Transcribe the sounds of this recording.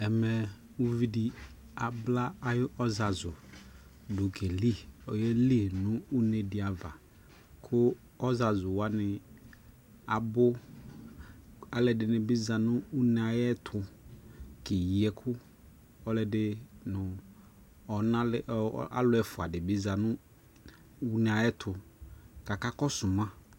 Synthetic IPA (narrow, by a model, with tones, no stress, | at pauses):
ɛ˨mɛ˨ | u˦vi˦di˨ | a˨bla˦a˨jɔ˦za˨zʊ˨ | dʊ˨kʰe˨li˦ɔ˨jɛ˦li˦˨nʊ̃˦u˦ne˨dɪ˨a˨va̰˨ | kʰʊ˦ | ɔ˦za˨zʊ˨wa˦nɪ˨ | a˨bʊ˦ | a˨lɛ˨dɪ˨nɪ˨bɪ˦za˨nʊ̃˦u˦n˦a˨jɛ˦tʰʊ˨ | kɪ˨ji˨ɛ˨kʰʊ˦ | ɔ˦lɛ˨dɪ˦nʊ̃˨ | ɔ˨na˦la̰˦lʊ˦ɛ˨fʊ˨a˨dɪ˨bɪ˦za˨nʊ̃˦ | u˦n˨a˨jɛ˦tʰʊ˨ka˨ka˦kɔ˦sʊ˨mã˦